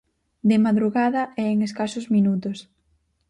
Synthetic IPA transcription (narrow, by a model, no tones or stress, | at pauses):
d̪ɪmaðɾuɣaðɐɛeŋeskasozminut̪̬ʊs